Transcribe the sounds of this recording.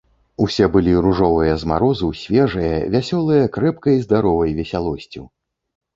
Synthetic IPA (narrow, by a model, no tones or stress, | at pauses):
usʲɛbɨlʲiɾuʐɔvɨjɐzma̰ɾɔzɨwsʲvʲɛʐɨjɐvʲasʲɔlˠɨjɐkɾɛpkɐjizd̪aɾɔvɐjvʲɛsʲalˠɔsʲt͡sʲiw